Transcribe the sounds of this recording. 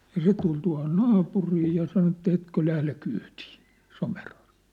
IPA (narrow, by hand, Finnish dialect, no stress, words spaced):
jɑ se tul tuɑ̝hon nɑːpuriː jɑ sɑno etːæ etkø læhle kyːti̥ː somerhɑrj̊u̥ː